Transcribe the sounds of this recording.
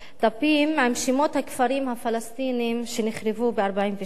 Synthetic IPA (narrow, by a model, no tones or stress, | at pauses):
d̪̥apimːamʃimo̞t̪hakfaɾimhafalast̪inimʃeniχɾevubeaɾbaimve